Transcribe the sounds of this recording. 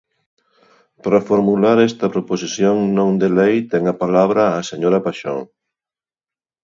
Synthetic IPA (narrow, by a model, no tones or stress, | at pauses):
paɾɐfoɾmulaɾɛst̪ɐpɾoposiθjoŋnõŋd̪elejt̪ɛŋɐpalaβ̞ɾɐːseɲoɾɐpaʃo̰ŋ